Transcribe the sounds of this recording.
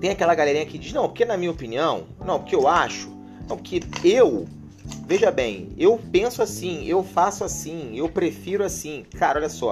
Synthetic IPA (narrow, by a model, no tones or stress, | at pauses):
t̪ẽj̃akɛlɐɡalɛɾĩɲɐkɪd͡ʒiznɐ̃w̃poɾkenɐmĩɲɐopiniɐ̃w̃nɐ̃w̃poɾkeewaʃʊ̥ | nɐ̃w̃pkɪew | veʒɐbḛ̃j̃ewpẽsʊasĩewfasʊasĩewpɾefiɾʊasĩkaɾɐɔʎʲɐsɔ̰